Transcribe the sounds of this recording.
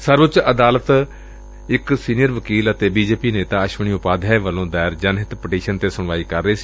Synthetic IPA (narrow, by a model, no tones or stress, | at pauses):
səɾʋʊt͡ʃəd̪aːlət̪ | ɪksiːnijəɾʋəkiːlət̪eːbiːd͡ʒeːpiːneːt̪aːəʃʋəɳ̃iːʊpaːd̪ʱɛʋəlõːd̪ɛːɪɾd͡ʒənɦɪt̪pɪʈiːʃənt̪eːsʊɳ̃ʋaːiːkəɾːəeːsiː